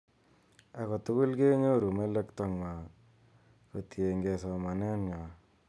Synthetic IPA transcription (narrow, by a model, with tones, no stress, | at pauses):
a˨kɔ˨t̪ʊ˦kʊ˦lke˦ɲo˦˨ɾu˨me˦lɛ˦kt̪ɔ˦ŋma˨ | ko˨t̪je˨ŋɡe˨sɔ˨ma˨nɛ˦nŋa˨